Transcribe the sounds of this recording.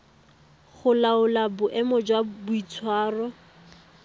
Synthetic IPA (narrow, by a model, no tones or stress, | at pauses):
χʊlaʊlabʊʔɛmɔd͡ʒwabʊit͡sʰwaːrɔ